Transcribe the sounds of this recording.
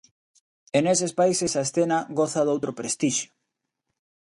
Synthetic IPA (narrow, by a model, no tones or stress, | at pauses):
enesespaisesaesθenaɣoθaðowt̪ɾopɾest̪iʃjo̥